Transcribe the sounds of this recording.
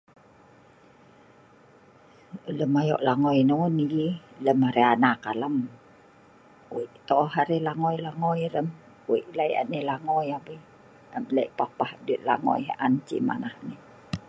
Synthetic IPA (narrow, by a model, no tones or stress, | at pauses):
ələmajɔ̰ʔlaŋɔjnonililəmaɾeanakaləm | wiʔt̪ɔʔɦaɾelaŋɔjlaŋɔjɾəm | wḭʔlaja̰nilaŋɔjabə | əmləiʔpapahduiʔ̪̚la̰ŋɔ̰jʔant͡ʃḭma̰nahni